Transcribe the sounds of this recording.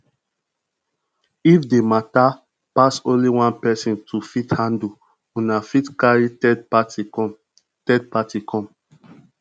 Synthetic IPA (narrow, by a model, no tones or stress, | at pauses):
ifdemata | pasõnliwãnpɛsĩntʰufithãndu | ũnafitkaɹitɛdpatikɔm | tɛd̚patikʰɔ̃m